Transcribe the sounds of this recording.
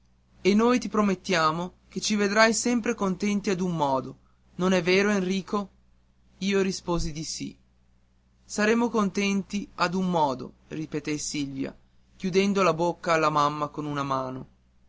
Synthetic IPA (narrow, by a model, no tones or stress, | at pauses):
enːoːjt̪ipɾomet̪ːjaːmok̟et͡ʃived̪ɾajsɛmpɾekont̪ɛnt̪iad̪umːɔːd̪o | nonɛvːeːɾoenriːko | iːoɾispoːzid̪isḭ | saɾeːmokont̪ɛnt̪iad̪umːɔːd̪o̰ | ripet̪ɛsilvja̰ | k̟jud̪ɛnd̪olabokːaːlːamamːakonunamaːno